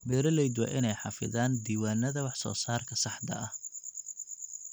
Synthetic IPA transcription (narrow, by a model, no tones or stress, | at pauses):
bɛːɾɐlɛjd̪wɛ̰ʔɪnɛjħɑfɪ̰ðaːnd̪iːwaːnɐðɐwɑħsɔ̰ːsaːrkʰɐsɑħd̪ɐ̰ʔɐh